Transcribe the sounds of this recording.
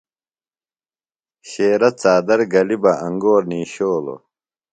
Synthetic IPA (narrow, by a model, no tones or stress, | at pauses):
ɕeːɾɐt͡saːd̪ɐɾɡɐlibɐʔɐŋɡoːɾniːɕoːlo̰